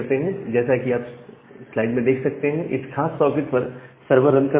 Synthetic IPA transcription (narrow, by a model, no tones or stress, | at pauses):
ɾt̪eɦɛ̃d͡ʒɛːsakiaːpslaːɪɖmẽd̪eːkʰsɐk̚t̪eɦɛ̃ʔɪ̰sxaːsːɔːkɪʈpɐɾsɐɾbəɾːɐ̃nka